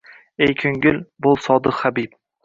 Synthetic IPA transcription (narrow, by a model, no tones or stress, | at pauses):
ejkʲʰɵŋɡʲɪlbolˠsɒd̪ɨχabip̚